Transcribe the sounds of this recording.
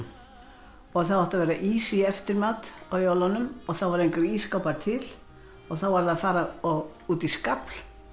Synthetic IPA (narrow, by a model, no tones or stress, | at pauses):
ɔɣθawawht̪avɛːɾaʔisiɛft̪ɪɾmaːt̪awjawlanʏmɔɣθavaɾejŋkɛɾiskawpaɾt̪ʰɪl | ɔɣθawvaɾðaðfaːɾaɔɣ | uːt̪iskapl